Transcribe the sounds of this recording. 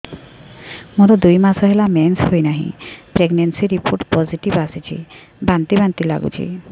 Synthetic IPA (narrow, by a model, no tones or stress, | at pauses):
moɾod̪ujmasɔɦelamensɦojnaɦḭ̃pɾeɡnensiɾipoɾʈpɔziʈibasit͡ɕʰḭ | bant̪ibant̪ila̰ɡṵt͡ʃʰḭ